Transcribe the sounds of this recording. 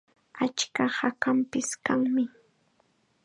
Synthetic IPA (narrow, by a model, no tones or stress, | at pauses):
at͡ʃkahakampɪskaŋmɪ